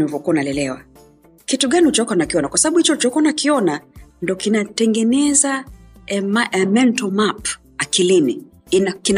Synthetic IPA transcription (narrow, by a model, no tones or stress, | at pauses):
niivɔkuanalɛlɛwa̰ | kituɡanihut͡ʃɔkanakiɔnakwasaɓaɓuhit͡ʃɔut͡ʃɔkanakiɔnandɔkinatɛŋɡɛnɛza | mɛmɛntɔmap | akilini | nakin